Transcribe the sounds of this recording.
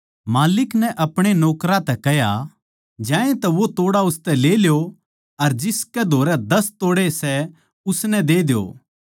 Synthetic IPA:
maːlɪknɛ̃ʔɐpɽ̃enɔːkɾãt̪ɛkɛɦja | d͡ʒãːẽt̪ɛʋot̪oːɽaʊst̪ɛleːljo | ɐɾd͡ʒɪskɛd̪ʱoːɾɛd̪ɐst̪oːɽesɛ | ʊsnɛ̃d̪eːd̪jo̰ː

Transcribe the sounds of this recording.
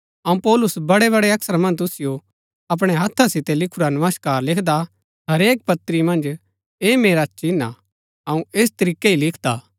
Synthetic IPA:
ɐũpɔːlʊsbɐɽeβɐɽeɐksəɾmɐ̃nd͡ʒt̪ʊsɪjo | ɐp̬ɽ̃eɦɐt̪ʰːasɪt̪elɪkʰʊɾanɐməskaːɾlɪkʰd̪a | ɦɐɾeːk̚pɐt̪ːɾimɐ̃nd͡ʒ | eːmeːɾat͡ʃina̰ | ɐũeːst̪ɐɾiːkːeilɪkʰd̪aː

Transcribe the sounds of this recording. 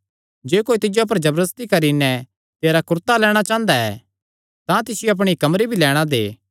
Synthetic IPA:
d͡ʒeːkoːit̪ɪd͡ʒoap̬ɐɾd͡ʒɐbɾəst̪ikɐɾinɛ | t̪eːɾakʊɾt̪alɛːɽ̃at͡ʃãːnd̪aɛ̰ː | t̪ãt̪ɪsɪjeɐp̬ɽ̃ikɐmɾibʱilɛːɽ̃ad̪ḛː

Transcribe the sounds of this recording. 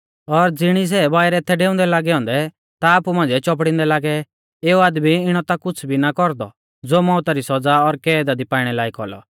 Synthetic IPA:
ɔɾd͡zɪɽ̃is̬ɛbaːɪɾɛːt̪ʰɛɖeːʊ̃nd̪ɛlaːɡɛɦɔ̃ːnd̪ɛ | t̪aːpumãːnd͡zɛt͡ʃɔp̬ɽɪ̃nd̪ɛlaːɡɛ | eːuaːd̪miɪɽ̃ɔt̪akʊt͡sʰbʱinakɔɾd̪ɔ̰ | d͡zoːmɔ̃ʊt̪aɾisɔd͡zaɔɾkɛːd̪ad̪ipaːɪɽ̃ɛlaːikɔlɔ̰

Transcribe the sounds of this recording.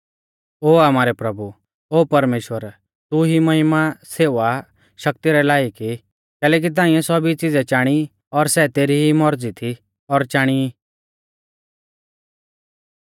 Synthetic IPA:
oːamaːɾɛpɾɐbu | oːpɐɾmeːʃʋəɾ | t̪uɦimɐɦɪmaseːʋa | ʃɐk̚t̪iɾɛlaːiki | kɛːlɛːk̬it̪̬ãːɪ̃ɛ̃sɔbit͡sɪd͡zɛt͡ʃaːɽ̃i | ɔɾsɛt̪eːɾiɦimɔɾd͡zit̪ʰi | ɔɾt͡ʃaːɽ̃ii

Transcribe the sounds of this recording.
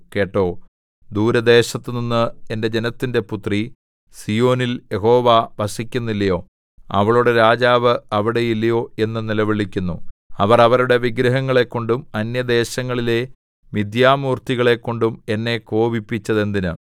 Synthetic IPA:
ke̞ːʈːo̞ː | d̪uːɾɐd̪e̞ːɕɐt̪ːɨninːɨe̞nde̞d͡ʑe̞nɐt̪ːinde̞put̪ri | sijo̞ːnilje̞ɦo̞ːʋaʋɐsikʲːunːilːɐjo̞ː | ɐ̰ʋɐɭuɽeɾaːd͡ʑaːʋɨɐʋiɽe̞jilːɐjo̞ːe̞nːɨnilɐʋiɭikʲːunːuɐʋɐrɐʋɐɾuɽe̞ʋiɡɾɐɦɐŋːɐɭe̞kːo̞ɳɖumɐnjɐd̪e̞ːɕɐŋːɐɭile | mid̪jaːmuːrt̪iɣɐɭe̞kːo̞ɳɖume̞nːe̞ko̞ːbipːit͡ɕːɐðe̞nd̪inɨ

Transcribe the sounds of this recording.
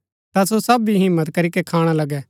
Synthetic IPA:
t̪asosɐbiɦɪ̃mːət̪kɐɾikekʰaːɽ̃alɐɡɛ

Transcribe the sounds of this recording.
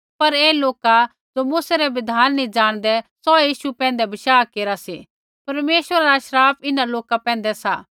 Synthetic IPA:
pɐɾeːloːka | d͡ʒomuːsɛɾɛbɪd̪ʱaːnːĩd͡ʒaːɽ̃d̪ɛsɔjiːʃupɛ̃ːnd̪ɛbɪʃaːkeːɾasi | pɐɾmeːʃwəɾaɾaʃɾaːpʰɪnãloːkapɛ̃ːnd̪ɛsaː

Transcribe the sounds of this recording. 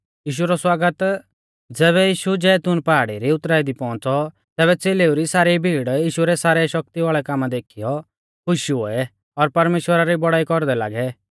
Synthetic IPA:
jiːʃ̬uɾɔswaːɡət̪ | d͡zɛːβɛjiːʃud͡ʒɛːt̪ʊnpaaɽiɾiʊt̪ɾaːid̪ipɔ̃ːt͡sɔ | t̪ɛːβɛt͡seːleːuɾisaːɾibʱiːɽjiːʃuɾɛsaːɾɛʃɔk̚t̪iʋaːɭɛkaːmad̪eːkʰijɔ | kʰʊʃo̰ɛ | ɔɾpɐɾmeːʃwəɾaɾibɔɽaːikɔɾd̪ɛla̰ːɡɛ

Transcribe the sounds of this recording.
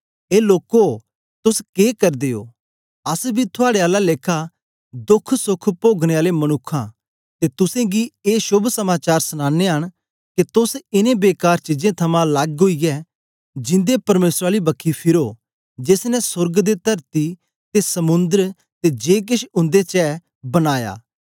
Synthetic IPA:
eːloːko | t̪ʊskeːkɐɾd̪eːo̰ː | ɐsbʱit̪ʰʊaːɽeaːlaleːkʰːa | d̪ʊkʰsʊkʰpoːɡɽ̃eaːlemɐñʊkʰːã̰ | t̪et̪ʊsẽɡieːʃʊbʱsɐmaːt͡ʃaːɾsʊñãːnːeɦɐɽ̃ | ket̪ʊsɪnẽbeːkaːɾt͡ʃɪd͡ʒẽt̪ʰɐmãlaɡɦoijɛ | d͡ʒɪ̃nd̪epɐɾmeːsɾaːlibɐkʰːipʰɪɾoː | d͡ʒesnɛsʊɾɡd̪et̪ɐɾt̪i | t̪esɐmʊ̃nd̪əɾ | t̪ed͡ʒeːk̬ɪʃʊ̃nd̪et͡ʃɛː | bɐnaːja̰ː

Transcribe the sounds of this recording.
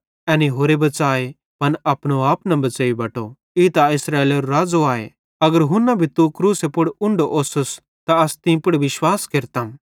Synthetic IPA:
ɛ̃ːniɦoːɾebɐt͡saːe | pɐnɐpñoaːpnɐ̃bɐt͡seːibɐʈo | it̪aɪsɾaːeːleɾoɾaːd͡zoaːḛ | ɐɡəɾɦʊ̃nːɐbʱit̪ukɾuːsepʊɽʊ̃ɳɖoʔoːsʊs | t̪aɐst̪ɪ̃pʊɽʋɪʃwaːskeːɾt̪aːm

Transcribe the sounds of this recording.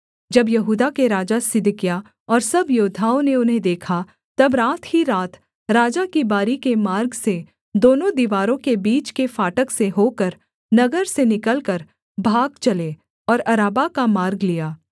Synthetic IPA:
d͡ʒɐbjɐɦuːd̪akeɾaːd͡ʒasɪd̪kja | ɔːɾsɐbjoːd̪ʱaːõneʊnɦẽd̪eːkʰa | t̪ɐbɾaːt̪hiɾaːt̪ | ɾaːd͡ʒakibaːɾikemaːɾɡse | d̪oːnõd̪iːʋaːɾõkebiːt͡ʃkefaːʈəkseɦoːkəɾ | nɐɡəɾsenɪkəlkəɾ | bʱaːɡt͡ʃɐle | ɔːɾɐɾaːbakamaːɾɡlijaː

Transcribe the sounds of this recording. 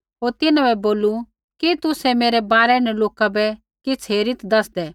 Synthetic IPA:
ɦoːɾt̪ɪnãbɛboːlu | kit̪ʊsɛmeːɾɛbaːɾɛnɛloːkabɛ | kɪt͡sʰɦeːɾɪt̪d̪ɐsd̪ɛː

